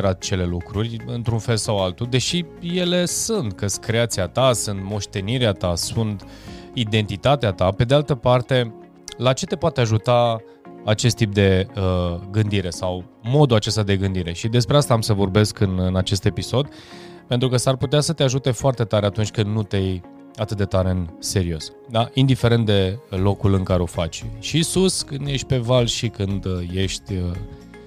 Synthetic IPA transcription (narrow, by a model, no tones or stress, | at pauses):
ɾat̪̚t͡ʃe̞le̞lukɾurʲɨnt̪ɾunfe̞lsawalt̪ud̪e̞ʃije̞le̞sunt̪kəskɾe̞at̪siat̪asunt̪mo̞ʃt̪e̞niɾeat̪asunt̪ | id̪e̞nt̪it̪at̪eat̪ape̞d̪ealt̪əpart̪e̞ | lat͡ʃe̞t̪e̞poat̪eaʒut̪a | at͡ʃe̞st̪ːip̚d̪e̞əɡɨnd̪iɾe̞saw | mo̞d̪uat͡ʃe̞st̪ad̪e̞ɡɨnd̪iɾe̞ʃid̪e̞spɾe̞ast̪aamsəvo̞rbe̞skɨnɨnat͡ʃe̞st̪e̞piso̞d̪ | pe̞nt̪ɾukəsarput̪easət̪eaʒut̪e̞foart̪e̞t̪aɾe̞at̪unt͡ʃʲkɨnd̪nut̪ej | at̪ɨt̪̚d̪et̪aɾe̞ɨnse̞ɾio̞s | d̪aind̪ife̞ɾe̞nt̪d̪e̞lo̞kulɨŋkaɾeo̞fa̰t͡ʃʲʃisuskɨnd̪je̞ʃt̪̚ʲpe̞valʃikɨnd̪je̞ʃt̪ʲə